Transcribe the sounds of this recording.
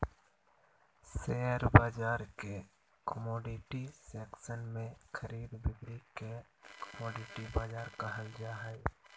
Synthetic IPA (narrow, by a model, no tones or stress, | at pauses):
seːəɾbaːd͡ʒaːɾke | kəmɔːɖɪʈiseːksənmẽkʰəɾiːd̪bɪɡɾikekəmɔːɖɪʈibaːd͡ʒaːɾkaɦəld͡ʒaɦɛ